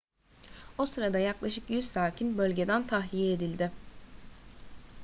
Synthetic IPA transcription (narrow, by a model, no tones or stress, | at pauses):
o̞sɯɾad̪ajaklˠaʃɯkjyzsaːcʰinbø̞lʲɟe̞d̪ænt̪ʰaɦlʲijed̪ilʲd̪ɪ